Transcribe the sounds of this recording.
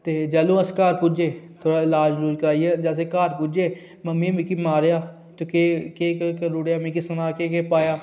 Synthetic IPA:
t̪eːd͡ʒəlõːəskaːɾpud͡ʒeːt̪ʰoːɾaːɪlaːd͡ʒɾuːd͡ʒkəɾaːiɛd͡ʒɛːseːkaːɾpuːd͡ʒeː | məmːimĩkiːmaːɾejaː | t̪okeːkeːkːkəɾuːɽjaːmĩkɪsənaːkeːkeːpaːjaː

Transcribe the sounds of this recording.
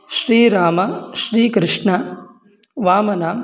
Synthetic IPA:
ʃɾiːɾaːmɐʃɾiːkɾɪʂɳɐ | ʋaːmɐnaːm

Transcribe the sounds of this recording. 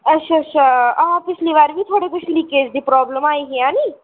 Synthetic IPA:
ətʃʰat͡ʃʰaãpɪt͡ʃʰliːʋaːɾʋʱiːt̪ʰoːɽek̪ʊt͡ʃʰliːkeːd͡ʒd̪iːpɾɔːbləmaːiɦeãːniː

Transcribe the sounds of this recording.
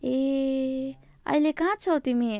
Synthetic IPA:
e | ʌ̰jlekãt͡sʰʌt̪imi

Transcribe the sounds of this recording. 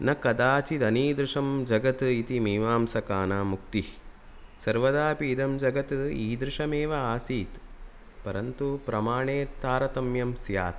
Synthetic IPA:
nɐkɐd̪aːt͡ʃid̪ɐniːd̪ɾɪʂɐmd͡ʒɐɡɐt̪it̪imiːʋaːmsɐkaːnaːmukt̪i | sɐɾʋɐd̪aːpiːd̪ɐmd͡ʒɐɡɐt̪iːd̪ɾɪʂɐmeːʋɐaːsiːt̪ | pɐɾɐnt̪upɾɐmaːɳeːt̪aːɾɐt̪ɐmjɐmsja̰ːt̪

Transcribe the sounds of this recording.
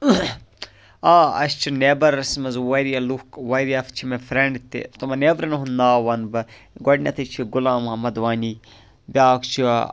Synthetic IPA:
aːɐ̰st͡ʃʰineːbɐɾɐsmɐzwɐɾiɐlukwɐɾiɐft͡ʃʰimefɾeɳɖt̪ḭt̪umɐneːbɾɐnuɦunaːʋɐnbɨ | ɡɐɽnʲɐt̪ʰɐt͡ʃʰiɡulaːmɦɐmɐd̪ʋaːniː | bʲaːkt͡ʃʰi

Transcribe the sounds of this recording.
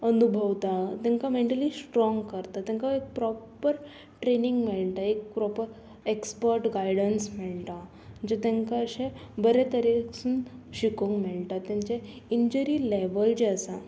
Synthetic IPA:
ənubʱəʋt̪at̪jãŋkameɳʈəliːsʈɾɔ̃ŋɡkəɾt̪at̪jãŋkaek̚pɾɔpəɾ | ʈɾeniŋɡmɛɭʈ̪aek̚pɾɔpəɾ | ekspəɾʈɡajɽənsmɛɭʈa | d͡ʑet̪ãŋkaəɕẽbəɾet̪əɾeksunɕikoŋkmɛɭʈ̪at̪jãɲt͡ɕe | iɲd͡ʑəɾileʋəld͡ʑeəsa̰

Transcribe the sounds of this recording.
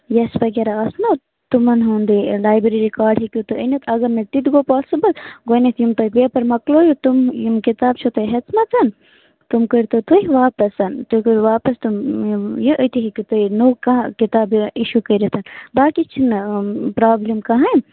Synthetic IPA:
jɐsbɐɡʲeɾaɐsno | t̪umɐnɦuːnd̪ilaːjbɾiɾikaːɖɦikʲjut̪uənɐt̪ʰɐɡɐɾmɐʈ̪it̪ɡoːpaːsibɐlɡonɐt̪jumt̪ɐjpiɐpɐɾmɐkloːjut̪umjumkit̪aːb̚t͡ʃʰut̪ɐjɦɐt͡smɐt͡sɐn | t̪umkəɾt̪ot̪ujʋaːpɐsɐnt̪ukoʋaːpɐst̪umjiʔət̪iɦikit̪ojnuːkɐkit̪aːbiʃukəɾit̪ʰɐnbaːkit͡ʃʰinpɾaːblimkɐɦɐ

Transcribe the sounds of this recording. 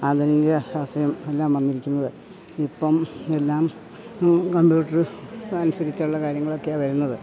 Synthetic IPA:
ad̪ʱɐnijɐɐʋɐsɐjɐme̞lːaːmʋɐnːiɾikʲːunːɐðɨ | ipːɐme̞lːaːm | kɐmbjuːʈːɐrɨnusɐɾit͡ɕːauɭːɐkaːɾjɐŋːɐɭo̞kːejaʋɐɾunːɐðɨ

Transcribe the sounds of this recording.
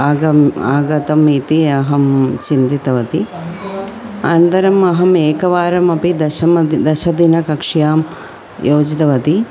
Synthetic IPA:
aɐaːɡɐt̪ɐmiːt̪iɐɦɐmt͡ʃind̪it̪ɐʋɐt̪i | ɐnt̪ɐɾɐmɐɦɐmeːkɐʋaːɾɐmɐpid̪ɐʃɐmɐd̪ɐʃɐd̪inɐkɐkʂjaːm | joːd͡ʒit̪ɐʋɐt̪i

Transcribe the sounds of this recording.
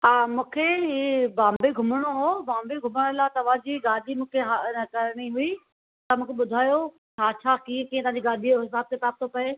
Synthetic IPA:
aːmũːkʰeɦibãːmbeɡʱʊməɽ̃oɦobãːmbeɡʱʊməɽ̃əlat̪ɐʋ̤ãd͡ʑiːɡaːɗimũːkʰeɦakɐɾɽ̃iɦʊi | t̪ɐmũːkʰeɓʊd̪ʱaːjo | t͡ɕʰaːt͡ɕʰaːkĩːkiːẽt̪ʋɦãɲd͡ʑiɡaːɗioɦɪsaːb̚t̪epɾaːp̚t̪ʰopɐe

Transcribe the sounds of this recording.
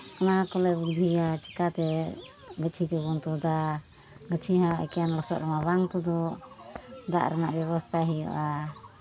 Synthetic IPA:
kanakɔlɛbuɡd̪ʱiat͡ʃɛ̥kat̪ɛ | ɡət͡ʃʰikəbɔnt̪ɔd̪a | ɡət͡ʃʰiɦaʔɛ̰kɛjanlɔsɔ̰ʔɾɛmaβaŋt̪ud̪ɔ | d̪a̰ʔɾɛnaʔbjɛβɔst̪ʰaɦijɔ̰ʔa

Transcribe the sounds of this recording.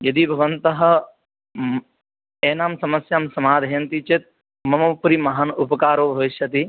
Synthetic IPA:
jɐd̪ibʱɐʋɐnt̪ɐɦɐ̆ | eːnaːmsɐmɐsjaːmsɐmaːd̪ʱɐjɐnt̪it͡ʃit̪̚ | mɐmɐpuɾimɐɦɐnupɐkaːɾoːbʱɐʋiʃjɐt̪i

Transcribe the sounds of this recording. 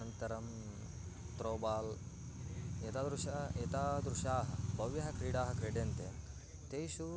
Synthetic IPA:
ɐnt̪ɐɾɐm | t̪ɾoːbaːl | jɐt̪aːd̪ɾuʃɐjɐt̪aːd̪ɾuʂaːɦɐ̰bɐʋjɐɦɐkɾiːɽaːɦɐkɾeːɖjɐnt̪e | t̪eːʃu

